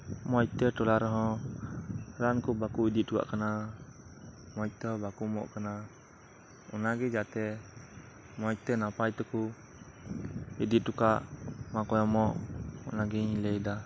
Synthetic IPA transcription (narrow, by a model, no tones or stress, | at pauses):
mɔit̪ɛʈɔlaɾɦɔ̃ | ɾankubakuidit̪̚duka̰ʔkəna | mɔit̪ɛɦɔbakumɔ̰ʔkəna | ṵnaɡɛd͡ʒat̪ɛ | mɔit̪ɛnapajt̪ɔku | idit̪̚dukaʔmakɔjɔmɔʔṵnaɡɛilɛida